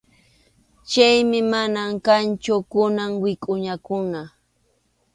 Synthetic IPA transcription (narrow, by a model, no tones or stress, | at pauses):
t͡ʃajmɪmanamkant͡ʃʊkʊnaŋwɪkʼʊɲakʊɴɑ